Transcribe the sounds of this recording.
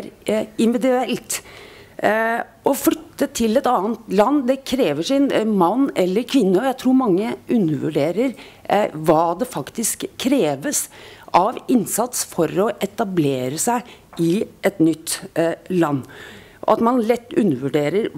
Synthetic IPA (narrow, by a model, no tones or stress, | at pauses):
ɾɪnʋɪd̪ʉɛlt̪ | ʔɔflʏt̪ːət̪ʰɪlɛt̪ɑːənt̪lɑnːd̪ɛkʰɾeːʋəʂɪnmɑnːɛlːəɾkʰʋɪnːəɔjæɪt̪ʰɾuːɾmɑŋːəʔʉnːəʋʉ̰ɖeːɾəɾ | ʋɑːd̪ɛfɑkt̪ɪskʰːɾeːʋəsʔɑʋɪnsɑt̪sfɔɾɔʔɛt̪ɑbleːɾəsæɪ | ɪʔɛt̪nʏt̪ːlɑnː | ɑ̰t̪mɑnlɛt̪ːʉ̰nːəʋʉɖeːɾəɾ